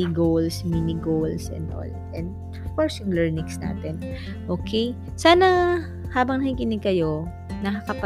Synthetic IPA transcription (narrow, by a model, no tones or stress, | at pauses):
iɡowlsminɪɡowlsʔɛ̰nd̪ʔo̰l | ʔɛnd̪ | ʔofkoɹsjʊŋlɛɹnɪŋsna̰ːt̪ɛn | ʔoːkʰɛj | saːnɐ | haːbɐŋnɐhikɪnɪɡ̚kɐjo̞ | nɐkɐkɐp